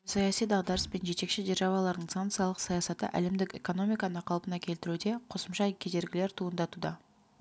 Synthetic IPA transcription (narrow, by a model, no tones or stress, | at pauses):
sɑjɑsijd̪ɑʁd̪ɑɾəspe̞nʒe̞t̪e̞kʃɪʒeɾʒɑvɑlˠɑɾd̪əɴsant̪sijɑlˠəqsɑjɑsɑt̪ə̰ʔæ̰le̞md̪ɪkʲe̞̰ko̞no̞mʲijkɑnəqʰɑlˠpənɑkʲʰe̞lt̪ɪɾud̪e̞qʰo̞səmʃɑkʲʰed̪e̞ɾɡʲɪleɾt̪ʰuənd̪ɑt̪ud̪ɑ